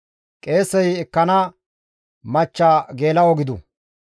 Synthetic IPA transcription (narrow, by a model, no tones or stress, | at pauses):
kʼe̞ːsɛjɛkːɐnɐ | mɐt͡ʃːaːɡe̞ːlɐwɔɡɪd̪ʊ̰